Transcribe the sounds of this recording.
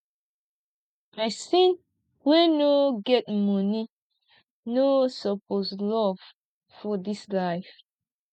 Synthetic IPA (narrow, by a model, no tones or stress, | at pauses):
masĩn | wɛnoɡɛt̚mɔni | nosɔposlɔv̥ | fɔdislaɪf